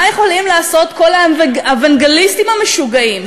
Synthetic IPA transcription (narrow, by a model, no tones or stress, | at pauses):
jeχo̞limlaːso̞t̪ko̞lavaavaŋɡelistimhameʃuɡaim